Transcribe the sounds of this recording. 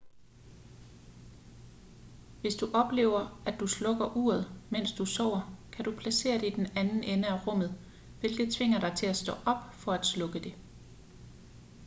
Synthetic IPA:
ʋe̝sd̥uʔɒ̽b̥le̝̰ːʊɐæd̥ːuslɔ̽ɡ̥ɐʔuːɐð̞ˠmen̰sd̥usɒʊ̰ɐkʰæd̥upʰlæse̝̰ːɐd̥eid̥enænn̩enəæʁɔ̽m̰ð̩ˠ | ʋe̝lɡ̥ð̞̩ˠt͡sʰʋe̝ŋ̰ɐɾ̥ɑ̈ɪt͡sʰe̝læsd̥ɔ̽ːʔɒ̽b̥fɒ̽æd̥slɔ̽ɡ̥əd̥e̝

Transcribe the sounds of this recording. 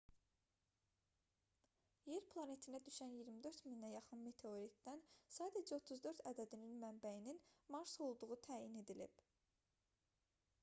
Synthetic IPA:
je̞ɾpʰlˠɑne̞t̪ʰinæd̪yʃænjiɾmid̪øɾt̪minːæjɑχɯnme̞t̪ʰe̞o̞ɾikd̪ænsɑːd̪æd͡ʒæo̞t̪ʰuzd̪ø̞ɾt̪ʰæd̪æd̪ininmæmbæjininmɑɾso̞lˠd̪uʁut̪ʰæːjine̞d̪ilḭb

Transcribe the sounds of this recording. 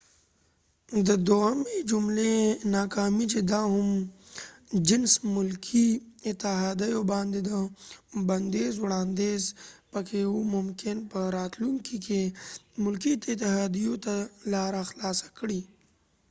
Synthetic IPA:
d̪əd̪omed͡ʒʊmlenaːkaːmit͡ʃed̪aːɦʊm | d͡ʒɪnsmʊlkʰiɪt̪ɪɦaːd̪əjobãːnd̪ed̪abɐnd̪eːzwɽaːnd̪eːzpɐkʰewumʊmkɪnpəɾaːt̪luŋkikemʊlkit̪ɪt̪ːɪɦaːd̪ijot̪alaːɾaxlaːsḁkɽi

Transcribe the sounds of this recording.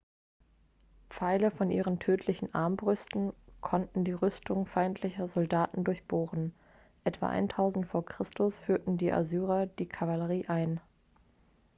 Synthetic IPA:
p͡faɪləfɔnʔiːʁəntʰøːtʰlɪçn̩ʔa̰ɐmbʁʏstn̩kʰɔntn̩diːʁʏstʰʊŋfaɪntʰlɪçɐzɔldaːtn̩dʊɐçb̥oːʁən̩ | ʔɛtv̥a̰ʔa̰ɪntʰaʊzn̩tfoːɐkʁ̥ɪstʰʊsfyːɐtn̩diːʔa̰zyːʁɐd̥iːkʰavaləʁiːʔaɪn

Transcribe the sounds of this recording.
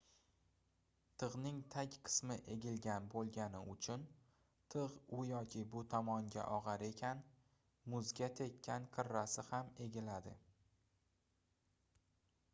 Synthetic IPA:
t̪ʰɨʁnɪŋt̪ʰakʲqʰɨ̥smɪʔe̞ɡʲɪlɡʲanbolˠɡʲanɪʊt͡ʃʰʊn | t̪ʰɨʁʊjɒkʲʰɪbʊt̪ʰɒmɒŋɡʲa̰ʔɒʁɑɾe̞kʲʰan | mʊzɡʲat̪ʰe̞kʲʰːanqʰɨɾːasɪhame̞ɡʲɪlad̪ɪ̰

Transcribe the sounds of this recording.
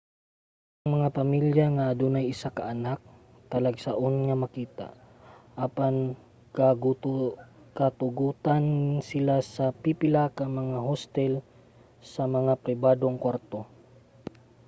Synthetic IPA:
ʔʔɐŋmɐŋapɐmiljaŋad̪unajɪsakaʔanak̚ | t̪ɐlaɡsaʔonŋamɐkiːt̪a̰ʔʔapan | kaɡ̪ | kat̪ʊɡuːt̪ansɪlasɐpipɪlakɐŋmɐŋaɦost̪ɛl | sɐmɐŋapɾɪbaːd̪oŋkwaɾt̪o̞

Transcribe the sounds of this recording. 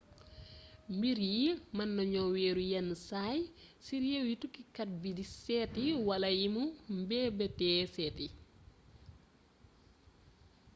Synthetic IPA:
mbiɾjimɐnːɐɲɔwɛːɾujɐnːsaːjsiɾjɛwjitukːikɐt̚bidisɛːtiwɐlɐjimumbɛbɛtɛːsɛːti

